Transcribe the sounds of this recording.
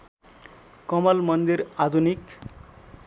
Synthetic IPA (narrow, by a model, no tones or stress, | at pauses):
kʌmʌlmʌnd̪irad̪ʱunik